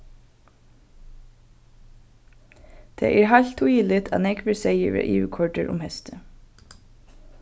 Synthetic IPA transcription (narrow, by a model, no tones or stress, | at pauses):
d̪̥ḛːʔæːɹhɑʎt̪ʰʊiːlɪt̪ʰɑ̰ːnɛkʰʋəseɪəɹʋḛːʔiːəkʰɔɖəɹʔʊ̰mhɛst̪ʰə